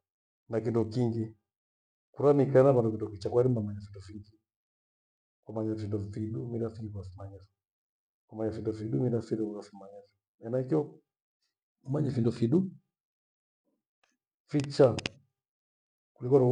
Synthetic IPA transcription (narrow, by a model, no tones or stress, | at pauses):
nak̬indukiŋɡi | kuɾanikanaβandukindɔkit͡ʃakwaɾimamaɲafindufiŋɡi | kwamaɲafindɔfiɗumiɾafiɡiβafimaɲavi | kwamaɲafindɔfiɗumiɾafiɾukafimaɲazi | nɛnaikjɔ | umaɲɛfindɔfiɗu | fit͡ʃa | kulikwan